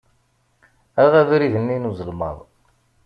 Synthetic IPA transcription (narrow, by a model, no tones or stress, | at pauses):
æʁævɾiðənːinuzəlmɑ̰ðˤ